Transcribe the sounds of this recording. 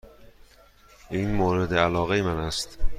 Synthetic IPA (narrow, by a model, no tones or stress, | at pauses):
ʔiːnmoːɾed̪eælɒːɣejemænæst̪